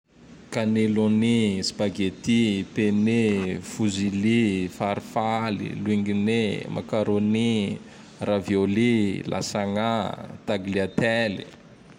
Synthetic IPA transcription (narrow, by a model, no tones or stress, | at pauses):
kanelonispaɡet̪it̪enifuzilifaɾifalḭluiŋɡinemʔa̰kaɾoni | ravjolilʔa̰saŋat̪aɡliat̪ɛlḭ